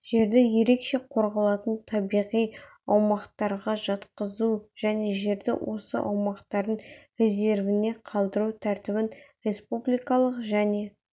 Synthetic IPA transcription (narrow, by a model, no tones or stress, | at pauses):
ʒ̥e̞ɾd̪ɪje̞ɾe̞kʃe̞qʰo̞ɾʁɑlˠɑt̪ənt̪ʰɑbijʁij | ɑwmɑqt̪ɑɾʁɑʒɑt̪qəzuʒ̥æne̞ʒe̞ɾd̪ɪ̰wʔo̞sə̰ʔɑ̰wmɑqt̪ɑɾd̪ənre̞ze̞ɾvɪne̞qʰɑlˠd̪əɾut̪ʰæɾt̪ɪbɪnɾʲe̞spublʲijkɑlˠəqʒæne̞